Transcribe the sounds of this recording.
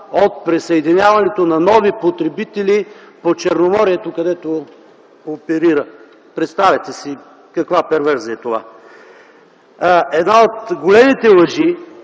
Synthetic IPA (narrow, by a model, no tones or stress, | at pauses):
ot̪̚pɾisəɛd̪inʲjavɐnɛt̪onɐnɔvipot̪ɾɛbit̪ɛlipot͡ʃɛɾnomɔɾiɛt̪okɐd̪ɛt̪o | opɛɾiɾə | pɾɛt̪st̪avʲɛt̪ɛsi | kɐkvapɛɾvɛɾziəɛt̪ova̰ | ɛd̪naot̪ɡolɛmit̪ɛlˠəʒi